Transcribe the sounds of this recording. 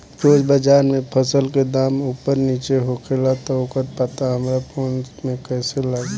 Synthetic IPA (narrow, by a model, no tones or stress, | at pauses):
poːd͡ʒbəd͡ʒaːɾmẽpʰəsəlked̪aːmuːpəɾniːt͡ʃeɦokʰelat̪ɔokət̪̚pət̪aɦəmɾapʰoːnmẽkɛːselaːɡ